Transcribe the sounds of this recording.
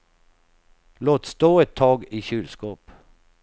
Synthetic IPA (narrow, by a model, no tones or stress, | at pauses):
loːt̪st̪oːɛt̪ʰːɑːɡiɕʉːlskoːp